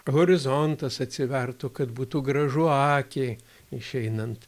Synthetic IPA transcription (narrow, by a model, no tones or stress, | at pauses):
ɣoɾʲɪzont̪ɐsɐt̪ʲsʲɪʋʲɛrt̪okɐd̪buːt̪uːɡɾɐʒuɑːkʲe | ɪʃʲɛɪnɐnt̪